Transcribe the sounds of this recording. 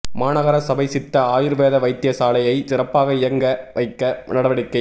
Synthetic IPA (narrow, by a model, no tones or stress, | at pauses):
maːnɐɣɐɾɐsɐbɐɪsɪt̪ːɐaːjɪɾʋeːðɐʋɐɪt̪ːɪjɐsaːlɐjɐɪsɪɾɐpːaːɣɐɪjɐŋɡɐʋʔɐɪkːɐnɐɽɐʋɐɽɪkːɐ